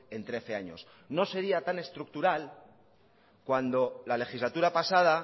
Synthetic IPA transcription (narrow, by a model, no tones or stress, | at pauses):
e̞nt̪ɾe̞θe̞aɲo̞̰s | no̞se̞ɾiat̪ane̞st̪ɾuk̚t̪uɾal | kwand̪o̞lale̞xizlat̪uɾapasaða